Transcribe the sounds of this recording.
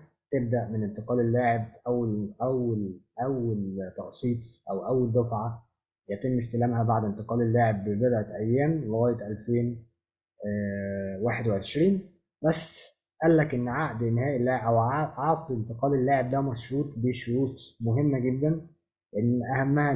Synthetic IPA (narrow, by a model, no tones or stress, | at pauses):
t̪eb̚d̪æʔmenent̪eqɑːlelːaːʕeb̚ʔæwːælʔæwːælʔæwːælt̪ˤːɑʔsˤiːt̪ˤʔæwʔæwːæld̪æfʕa | jæt̪emːest̪elæːmhæbaʕd̪ent̪eqɑːlelːaːʕebːebed̪ʔæt̪ʔæjːæːmleɣæːjːet̪ʔælfeːn | waːħed̪weʕeʃɾiːn | bæsː | ʔælːækʔenːʕaʔd̪enːhæːʔelːæʔæwʕɑːqd̪ent̪eqɑːlelːaːʕeb̚d̪æmæʃɾuːt̪ˤbeʃoɾuːt̪ˤmoɦemːæɡed̪ːæn | leʔenːʔæhæmːæhæ